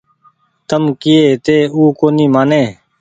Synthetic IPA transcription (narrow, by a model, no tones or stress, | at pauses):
t̪əmkɪeːt̪eːuːkoːniːmaːneː